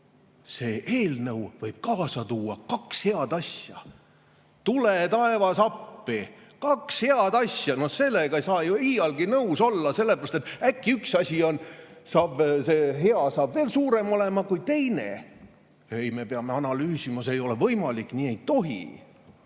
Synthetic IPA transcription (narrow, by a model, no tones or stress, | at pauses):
se̞ːʔeːlnɤwvɤjb̥̚kɑːsɑt̪uːɑkɑkshe̞ɑd̪ɑsjɑ | t̪ulet̪ɑevɑsɑpːi | kɑkshe̞ɑd̪ɑsʲjɑno̞hse̞lːeɡ̥ɑejsɑːjuiːɑlɡinɤuwso̞lːɑse̞lːe̞pærɑst̪et̪ːækːiyksɑsʲio̞nsɑːbse̞ɦe̞ɑsɑːbve̞ːlsuːɾe̞mo̞le̞mɑkujt̪e̞jnḛ | ejme̞peɑme̞ɑnɑlyːsimɑseːjo̞le̞vɤjmɑlikːˑniːe̞jt̪o̞ɦḭ